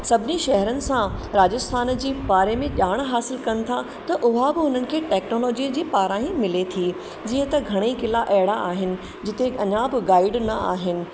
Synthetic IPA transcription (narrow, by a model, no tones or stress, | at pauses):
sɐbʱɪniʃɛɦɛɾənɪ̆sãɾaːd͡ʑəst̪ʰaːnd͡ʑiːbaːɾemẽʄaːɽ̃ɦaːsɪlkɐnɪ̆t̪ʰa | t̪ɐʔʊɦabɪɦʊnənɪ̆kʰeːʈɛːknoːlɔːd͡ʑid͡ʑiːpaːɾãːĩmɪlet̪ʰi | d͡ʑiːə̃t̪ɐɡʱɐɽ̃ekɪlaʔɛɦɪɽaaːɦɪnɪ̆ | d͡ʑɪt̪eɐɲabɪɡaːɪɖnɐa̰ːɦɪnɪ̆